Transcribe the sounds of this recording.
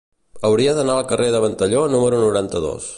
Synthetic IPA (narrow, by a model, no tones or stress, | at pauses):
əwɾiəðənaəlˠkərʔeðəβənt̪əʎonuməɾunuɾant̪əðo̰s